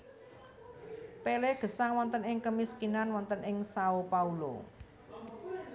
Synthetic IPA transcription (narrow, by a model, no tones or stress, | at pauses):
pelehɡ̥ə̤saŋwɔnt̪ənɪŋkəmiskinanwɔnt̪ənʔɪŋsaopaulo̰